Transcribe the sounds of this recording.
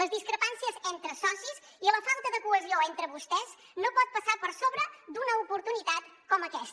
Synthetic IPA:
ləzðiskɾəpansiəzent̪ɾəsɔsiz | iləfalˠt̪əðəkuəzioent̪ɾəβust̪ɛz | nopɔt̪̚pəsapəɾsoβɾəd̪unəupuɾt̪unit̪at̪kɔməkɛst̪

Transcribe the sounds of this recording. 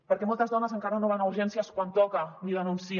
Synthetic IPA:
pəɾkɛmɔlˠt̪əzðɔnəzəŋkaɾənoβ̞anuɾʒɛnsiəskwant̪ɔkəniðənunsi

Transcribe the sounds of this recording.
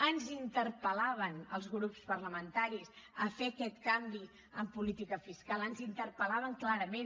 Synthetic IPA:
ənzint̪ərpəlaβ̞ənəlˠzɣɾupspərləmənt̪aɾisəfeəkɛt̪kambi | əmpulit̪ikəfiskalˠənzint̪ərpəlaβəŋklaɾəmen

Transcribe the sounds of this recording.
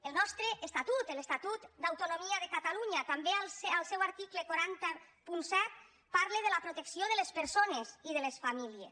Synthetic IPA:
elˠnɔst̪ɾeʔːst̪at̪ut̪elest̪at̪ut̪d̪awt̪unomiaðekat̪aluɲat̪ambealsalˠsɛwaɾt̪iklekaɾant̪apunsɛt̪̚ | paɾleð̞əlapɾot̪eksjoðəlespəɾsoneziðəlesfamiliḛs

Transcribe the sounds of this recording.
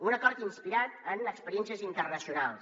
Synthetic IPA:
unəkɔɾt̪inspiɾat̪ənəkspəɾijɛnsiəzint̪ərnəsiunalˠs

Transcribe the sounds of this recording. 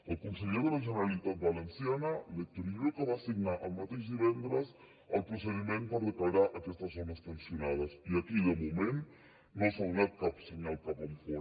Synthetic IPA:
ɐlkunseʎeɾðeðɐʒeneɾalit̪at̪̚βalensjanɐlek̚t̪ɾiokəβasiɡnaʔɐlmat̪ezðiβɛnd̪ɾɐs | ɐlpɾoseðimẽnt̪pɐɾðeklaɾaɾʔɐkɛst̪ɐzonɐspensjonaðɐsiɐkiðemumẽn | nõsolnat̪̚kapsiɣɲalkaβamfo

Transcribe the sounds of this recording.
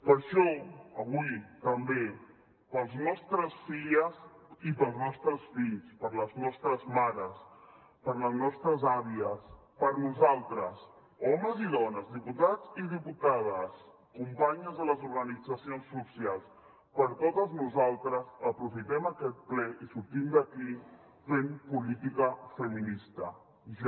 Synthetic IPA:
pəɾʃɔəβuit̪əmbe | pəlˠznɔst̪ɾəsfiʎəsipəlˠznɔst̪ɾəsfiʎspəɾləznɔst̪ɾəzmaɾəs | pəɾləznɔst̪ɾəzaβiəs | pəɾnuzalˠt̪ɾəs | ɔməziðɔnəzðiput̪ad͡ziðiput̪aðəs | kumpaɲəzðələzuɾɣənid͡zəsionsːusialˠs | pəɾt̪ot̪əznuzalˠt̪ɾəzəpɾufit̪ɛməkɛt̪̚plɛʔisuɾt̪imd̪əki | fempulit̪ikəfəminist̪ə | ʒ

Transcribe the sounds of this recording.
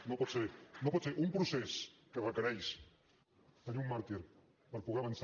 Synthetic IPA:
nopɔt̪senopɔt̪seɾʔumpɾuseskərəkəɾɛjs | t̪əniummaɾt̪iɾ | pəɾpuɣeɐβəns

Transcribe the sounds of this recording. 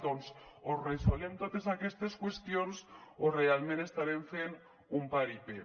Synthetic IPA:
d̪onsoresolemt̪ot̪esakest̪eskwest̪jonsorealmenest̪aɾeɱfen | umpaɾipe

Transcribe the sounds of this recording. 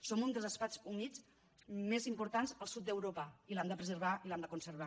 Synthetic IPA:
somund̪əlˠzəspat͡sunid͡z | mezimpuɾt̪anzəlˠsut̪̚d̪əwɾopəilamd̪əpɾəzəɾβaʔilamd̪əkunsəɾβ̞a

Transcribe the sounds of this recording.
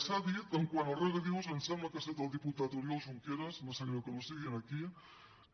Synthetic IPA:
saðit̪əŋkwanəlˠreɣəðiwzənsɛməkəset̪əlˠd̪iput̪at̪uɾjolˠʒuŋkeɾəzməsaɲokənusiɣinəki

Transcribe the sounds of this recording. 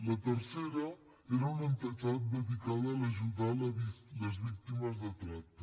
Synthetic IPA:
lət̪əɾseɾə | eɾəunənt̪ətat̪̚bət̪ikaðələʒud̪aləβiləzβik̚t̪iməzd̪ət̪ɾak̚t̪ː

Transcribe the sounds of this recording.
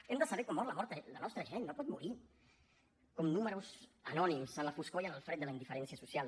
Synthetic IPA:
emd̪əsɐβɛɾkomːɔɾlamɔɾt̪ələnɔst̪ɾəʒenːopɔt̪̚muɾi | komnuməɾusə̰nɔnimsənləfuskojənəlˠfɾɛt̪̚d̪əlaind̪ifəɾɛnsiəsusjal

